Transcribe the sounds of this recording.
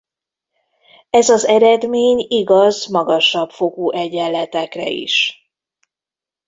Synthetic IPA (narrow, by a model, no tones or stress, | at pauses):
ɛzɒzɛɾɛd̪meːɲiɡɒzmɒɡɒʃɒbfo̞ɡuːʔɛɟɛlːɛt̪ɛkrɛ̰ḭʃ